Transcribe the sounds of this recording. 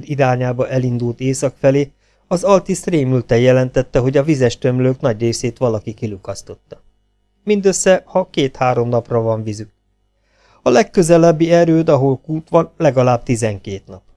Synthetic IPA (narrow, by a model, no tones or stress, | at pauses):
d̪iɾaːɲaːbɒʔɛlind̪ult̪eːsɒkfɛleː | ɒzɒlt̪isreːmylt̪ɛjɛlɛnt̪ɛt̪ːɛɦo̞ɟɒvizɛʃt̪ø̞mløːknɒɟreːseːt̪ʋɒlɒkikilukɒst̪o̞t̪ːɒ | mind̪øsːɛhɒkeːt̪haːɾo̞mnɒprɒvɒɱvizyk̚ | ɒlɛkːø̞zɛlɛbːiɛɾøːd̪ɒɦolkuːt̪ʋɒnlɛɡɒlaːb̥̚t̪izɛŋkeːt̪nɒp